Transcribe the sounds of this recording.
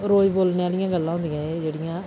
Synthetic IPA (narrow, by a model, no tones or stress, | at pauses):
ɾoːiboːlneːaːlɪjãːɡəlːãːɦʊ̃nd̪ijãːeːd͡ʒeːɽɪjãː